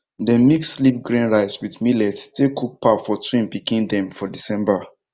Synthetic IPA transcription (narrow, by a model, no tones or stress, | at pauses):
dɛ̃mikslip̚ɡɹĩnɹaɪswidmilɛttekʰuk̚pafɔtwĩmpikĩndɛ̃mfɔdisɛ̃mba